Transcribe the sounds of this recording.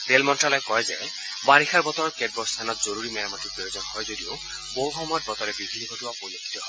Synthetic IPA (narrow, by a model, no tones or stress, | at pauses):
telmɔntɹalɔjkɔjzɛ | baɹixʰaɹbɔt̪ɔɔɹkɛd̚bɔst̪ʰanɔt̪zoɹuɹimɛɹamat̪ʰipɹɔjozɔnhɔjzodio | bowxɔmɔɔt̚bɔt̪ɔɹɛbibʱinikɔtuwapojokʰi̥t̪ɔ